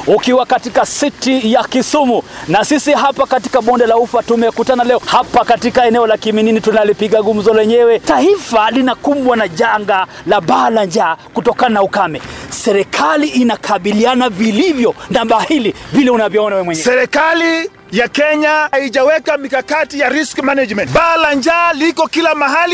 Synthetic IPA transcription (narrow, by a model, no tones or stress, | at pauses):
ukiwakatikasitijakisumunasisiɦapakati̥kaɓɔndɛlaufatumɛkutanalɛɔhapakatikaɛnɛɔlakimininitunalipiɠaɡum̩zɔlwɛɲɛwɛtaifalinakumbwanaʄaŋɡalaɓalaɲd͡ʒakutɔkananaukamɛsɛɾɛkʰaliʔːnakʰaɓilianavilivjɔnaɓahilivilɛunavjɔɔnawɛmwɛɲɛsɛɾɛkali | jakɛɲahaiʄawɛkamikakatijaɾiskmanad͡ʒmɛntɓaːlaɲd͡ʒaːlikɔkilamaɦali